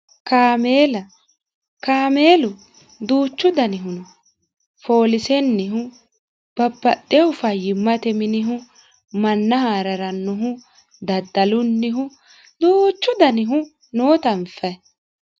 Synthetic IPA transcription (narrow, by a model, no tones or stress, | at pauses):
kaːmeːlɐ | kaːme̞ːlʊ | d̪uːt͡ʃːʊd̪ɐnɪɦʊnʊ | fo̞ːlɪsɛnːɪɦʊ | b̥ɐbːɐt̪ʼːɛʊfɐjɪmːɐt̪ɛmɪnɪɦʊ | mɐnːɐhaːɾɐɾɐnːʊɦʊ | d̪ɐd̪ːɐlʊnːɪɦʊ | d̪uːt͡ʃːʊd̪ɐnɪɦʊ | noːt̪ɐmfɐ